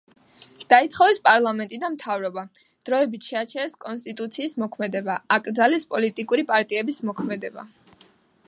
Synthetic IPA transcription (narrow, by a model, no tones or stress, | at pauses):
d̪̥ait̪sʰχɔvɛspʼaɾlˠamɛnt̪ʼid̪amt̪ʰavɾɔba | d̪̥ɾɔɛbit̪ʰʃɛat͡ʃʰɛɾɛskʼɔnst̪ʼit̪ʼut̪sʰiːsmɔkʰmɛd̪ɛbaakʼɾd̪zalɛspʼɔlit̪ʼikʼuɾipʼaɾt̪ʼiɛbismɔkʰmɛd̪ɛba̰